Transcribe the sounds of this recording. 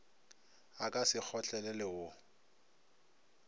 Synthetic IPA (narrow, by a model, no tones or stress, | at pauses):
akʼasɪk͡xʰɔt͡ɬʼɛlɛlɪʊ